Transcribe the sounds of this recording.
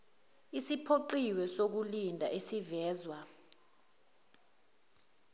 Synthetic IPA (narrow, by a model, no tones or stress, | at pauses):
isipʰoǃiwɛsok̬ulindʱa̰ʔesivɛːzwa